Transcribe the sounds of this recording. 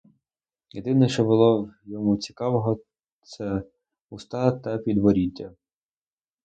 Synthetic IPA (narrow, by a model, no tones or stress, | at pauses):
jed̪ɪnɛʃt͡ʃɔbʊlˠɔwjɔmut͡sʲi̥kɑʋɔɦɔ | t̪sɛ | ust̪ɑt̪ɐpʲid̪ʋɔɾʲitʲːɐ